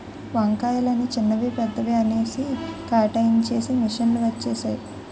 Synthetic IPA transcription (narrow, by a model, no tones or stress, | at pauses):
ʋɐŋkaːjɐlɐnit͡ʃinːɐʋipɐd̪ʱːɐʋeɐne̞ːsikaːʈɐjnt͡ʃe̞ːsimiʂɐnluʋɐt͡ʃːeːʃaːji